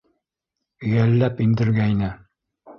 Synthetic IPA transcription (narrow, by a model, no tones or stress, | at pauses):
ɵ̆jælːæpind̪ɘ̆ɾɡæinɘ